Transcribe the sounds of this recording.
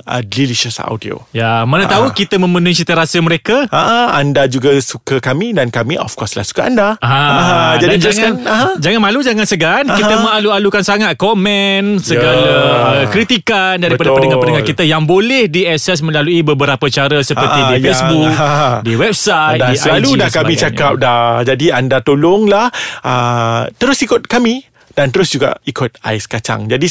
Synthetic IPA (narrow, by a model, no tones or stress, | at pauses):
ə̰dliliʃəsa̰wdio̰jamanat̪aukit̪əmə̃mənuisit̪əɾasəməɾekaaʔaandad͡ʒuɡasukəkamidankamiʔɔ̰fkɔsla̰hsu̥kaandaaɦãd͡ʒadinaanɦd͡ʒaŋanmãlud͡ʒaŋansəɡankkit̪əmə̃alualukansaŋat̪̚kɔmɛnsəɡalaəkɾit̪ikandaɾipaddəndəŋapənəŋakit̪əjaŋbolɛhdiɛsɛsmə̃laluibəbəɾapət͡ʃaɾəsəpərt̪idifesbuk̚diwɛb̚sajt̪ialudahkamĩt͡ʃakap̚dad͡ʒadiandat̪olʊŋlahʔət̪əɾʊsikʊt̪̚kamĩ | d̥ant̪əɾʊsd͡ʒuɡa̰ikʊt̪̚a̰ɪskat͡ʃa̰ŋd͡ʒadi